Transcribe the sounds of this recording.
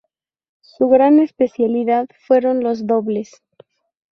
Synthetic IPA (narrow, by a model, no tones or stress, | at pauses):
suɣɾane̞spe̞sjaliðaðfwe̞ɾo̞nlo̞zðo̞βle̞s